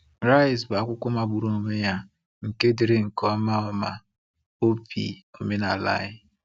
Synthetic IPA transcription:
ɾa˦ɪ˨sba˨kʷʊ˦kʷʊ˦ma˨ɡ͡bu˨ɾo˦o˨me˦ja˦ | ŋ̩˨ke˦di˨ɾe˦ŋ̩˨kɔ˦a˦ma˦ɔ˦ma̰˨ | o˦pḭ˨o˨me˦na˨la̰˦ɪ˦

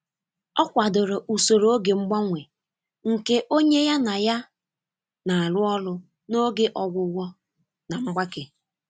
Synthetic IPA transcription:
ɔ˦kʷa˨dʊ˨ɾo˨ʔu˨so˨ɾo˨˦o˦ɡe˨ŋ͡m̩˦ɡ͡ba˦ŋʷe˨ | ŋ̩˨ke˦ʔo˦ɲe˦ja˦na˨ja˦ | na˨a˨lʊ˦ɔ˦lʊ˦ | no˦ɡe˦ʔɔ˨ɡʷʊ˨wɔ˦ | na˨ŋ͡m̩˦ɡ͡ba˦ke˨

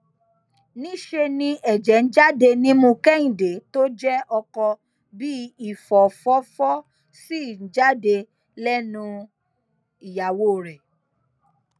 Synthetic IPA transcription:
nĩ˨˦ʃe˧nĩ˧ɛ˨d͡ʒɛ˨˦n̩˦d͡ʒa˦de˧nĩ˦mũ˧kɛ˦ĩ˨de˨˦to˦d͡ʒɛ˦ʔɔ˧kɔ˧ | bi˦i˦˨fɔ˨fɔ˦fɔ˦ | si˦˨n̩˦d͡ʒa˦de˧ | lɛ˦nũ˧ | i˨ja˨wo˦˨ɾɛ˨

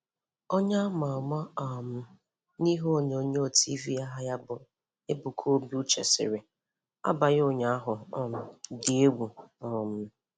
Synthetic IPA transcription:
o˦ɲa˦a˦ma˨ma˦a˨m̩˦ | ni˦ɦo˦˨ɲ˨o˦ɲe˦o˦˨ti˦vi˦a˦ɦa˦ja˦bʊ˨ | e˦bu˨kʰo˦bi˦u˦t͡ʃḛ˨sɪ̰˨ɾɪ˨ | a̰˦ba˨jo˦˨ɲa˦a˦ɦʊ˨ɔ˨m̩˨dɪ˨e˦wu˨ɔ˨m̩˦

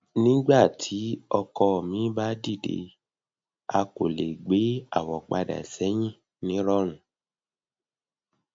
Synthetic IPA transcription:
nĩ˦ɡ͡ba˦˨tʰi˨˦ɔ˧kɔ˧˨mĩ˨˦ba˦di˦˨dḛ˧ | a˧ko˨le˨ɡ͡be˨˦a˦˨wɔ˨k͡pa˧da̰˨ɛ˨sɛ˨˦j̃ĩ˦˨ | nĩ˨˦ɾɔ˦ɾ̃ũ˨

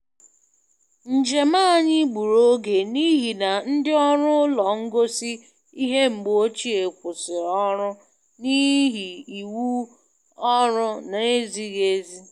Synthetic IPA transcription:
n̩˨d͡ʒe˨ma˦˨ɲɪ˦ɡ͡bu˨ɾo˦ɡe˨ni˦ɦi˨na˨n̩˦dɪ˦ɔ˦ɾʊ˦lɔ˨ŋ̩˦ɡo˦si˦ | i˦ɦe˦ŋ͡m̩˨ɡ͡bo˦t͡ʃi˦e˨kʷʊ˨sɪ˨ɾɔ˦ɾʊ˦ | ni˦ɦi˨i˨wu˦ | ɔ˦ɾʊ˦na˨e˦zi˦ɣe˦zi˦

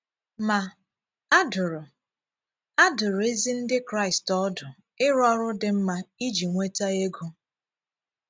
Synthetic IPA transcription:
ma˨ | a˦dʊ˨ɾʊ˨ | a˦dʊ˨ɾʊ˨e˦zi˦n̩˦dɪ˦kɾa˦˨ɪ˨stɔ˦dʊ˨ | ɪ˦ɾɔ˦ɾʊ˦dɪ˦m̩˦ma˦i˦d͡ʒi˨ŋʷe˦ta˦e˦ɡu˦

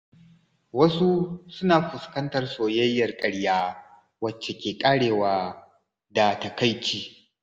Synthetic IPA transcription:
wɐ˦su˦sʊ˦naː˨ɸʊ˨skɐ˦ntɐ˨rsoː˨jɐ˦jːɐ˨rkʼɐ˨ɽjaː˦ | wɐ˨t͡ʃːe˨kʲeː˨kʼaː˦ɽeː˨waː˦ | da˨ta˨ka˦jt͡ʃiː˦

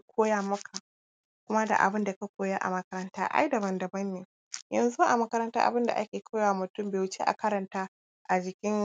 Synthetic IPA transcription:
kʰʷoː˦jaː˦mɐ˦kʰa˨ | kʷʊ˦ma˦da̰˨ʔa̰˨bɪ˦nda˨ka˦kʷoː˦jaː˦ʔa̰˨mɐ˦kɐ˦ɾɐ˦ntaː˦ʔa̰˦jdɐ˨bɐ˨ndɐ˨bɐ˦nːeː˨ | jɐ˨nzu˦ʔa˨mɐ˦kɐ˦ɾɐ˦ntaː˦ʔa̰˨bɪ˦nda̰˨ʔa˦kʲeː˨kʰa˦waː˨mʊ˨tʊ˦˨mbeː˨wʊ˦t͡ʃḛ˦ʔa̰˨kɐ˦ɾɐ˨ntaː˦ | ʔa˨d͡ʒɪ˨kʲɪ˦ŋ

